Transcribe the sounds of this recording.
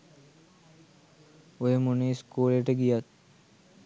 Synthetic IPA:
ojəmuneskuːleʈəɡijat̪̚

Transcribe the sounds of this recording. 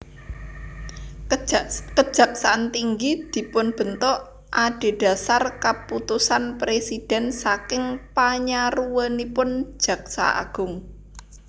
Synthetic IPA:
kə̥d͡ʒ̥a̤ksaant̪iŋɡid̪̥i̤pʊnb̥ə̤nt̪ɔʔ | ʔaɖ̥e̤ɖ̥a̤sarkəput̪usanpɾesid̥ɛ̤nsakɪŋpaɲaruwənipʊnd͡ʒʒ̥ä̤ksa̰a̰ɡ̥ʊ̤ŋ

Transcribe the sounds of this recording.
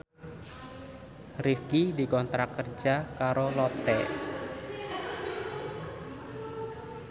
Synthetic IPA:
rifkidikɔnt̪ɾakərd͡ʒakaɾolɔt̪ɛ

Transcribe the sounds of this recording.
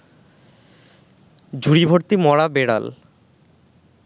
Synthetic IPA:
d͡ʑʱuɽibʱoɾt̪imɔɽabeɽa̰l

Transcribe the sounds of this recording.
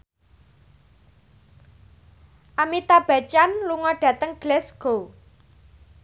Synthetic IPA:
ʔamit̪ab̥ä̤t͡ʃanluŋɔɖ̥ä̤t̪əŋɡ̥lɛsɡ̥o

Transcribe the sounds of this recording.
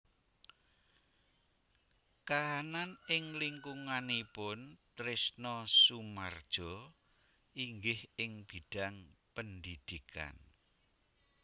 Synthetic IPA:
kaɦananɪŋliŋkuŋanipʊnt̪ɾɪsnɔsumard̥ʒ̥ɔ̤ | iŋɡɪhɪŋb̥iɖ̥a̤ŋpənd̪id̪̥ikʰa̰n

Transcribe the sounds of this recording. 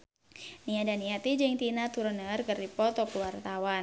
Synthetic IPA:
niadaniat̪id͡ʒɨŋt̪inat̪uɾɔnəərkərdipɔt̪ɔkəwart̪awan

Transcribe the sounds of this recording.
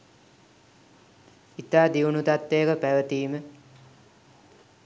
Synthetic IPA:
it̪aːd̪iunut̪at̪ːejəkəpæʋət̪iːmə

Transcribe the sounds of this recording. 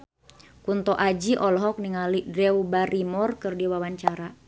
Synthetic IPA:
kunt̪ɔʔad͡ʒiʔɔlɔɦɔk̚niŋalidɛubaɾimɔrkɨrdiwawaɲt͡ʃaɾa

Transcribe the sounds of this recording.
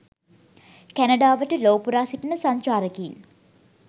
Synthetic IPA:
kænɐɖaːʋəʈəloːpuɾaːsiʈənəsaɲt͡ʃaːɾəkin

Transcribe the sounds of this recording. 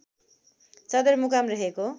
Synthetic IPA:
t͡sʌd̪ʌrmukamrʌɦeko

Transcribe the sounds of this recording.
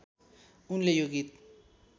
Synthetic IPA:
unlejoɣit̪̚

